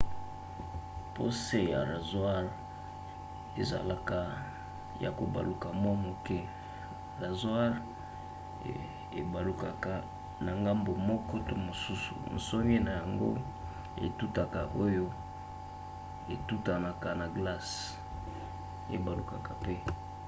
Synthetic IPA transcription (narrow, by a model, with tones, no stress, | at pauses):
pʰo˦se˦ja̰˨ʁa˨zwa˦ʁ | ḛ˨za̰˨la˨ka˨ | ja̰˨ko˨ba̰˨lu˨ka˨mwa˦mo˨kɛ˦ | ʁa˨zwa˦ʁ | ḛ˨ba˨lu˨ka˨ka˨ | na˨ŋɡa˦mbo˨mɔ˦kɔ˦to˦mo˨su˦sṵ˨n̩˨so˦n˦e˦na˨ja˨ŋɡo̰˦ | ḛ˨tu˦ta˨ka˨ʔo˦jo˦ | e˨tu˦ta˨na˨ka˨na˨ɡla˦s | ḛ˨ba˨lu˨ka˨ka˨pe˦